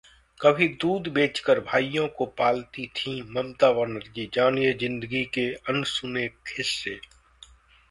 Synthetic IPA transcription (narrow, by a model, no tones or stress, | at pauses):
kɐbʱid̪uːd̪beːt͡ʃkəɾbʱaːijõkopaːlt̪it̪ʰĩmɐmt̪aːʋənəɾd͡ʒid͡ʒaːnezɪ̃nd̪əɡikeənsʊnekʰɪsːeː